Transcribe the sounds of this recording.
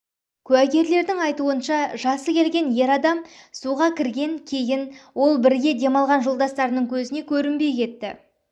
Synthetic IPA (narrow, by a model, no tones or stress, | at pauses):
kʲʰʉæɡʲe̞ɾle̞ɾd̪ɪŋɑjt̪uənʃɑʒɑsəkʲe̞lɡʲe̞nje̞ɾɑd̪ɑmsuʁɑkʲʰɪɾɡʲe̞ŋkʲʰe̞jɪnwo̞lˠbɪɾɡʲe̞d̪e̞mɑlˠʁɑnʒolˠd̪ɑst̪ɑɾənəŋkʲʰɵzɪne̞kʲʰɵɾɪmbe̞jkʲʰe̞t̪ːɪ